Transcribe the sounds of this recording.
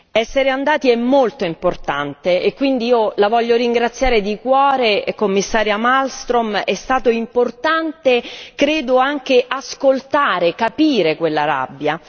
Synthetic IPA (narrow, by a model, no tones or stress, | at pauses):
ɛsːeɾeand̪aːt̪iɛmːolt̪oimport̪ant̪eekːwind̪iiːolavɔʎːoɾiŋɡɾat̪sːjaːɾed̪ikwɔːɾekomːisːaːɾjamalst̪ɾomɛst̪aːt̪oimport̪ant̪ekɾeːd̪oaŋk̟eʔaskolt̪aːɾekapiːɾekwelːaɾa̰bːja